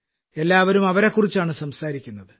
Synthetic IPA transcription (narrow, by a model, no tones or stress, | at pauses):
e̞lːaːʋɐɾumɐʋɐɾe̞kːurit͡ɕːaːɳɨsɐmsaːɾikʲːunːɐðɨ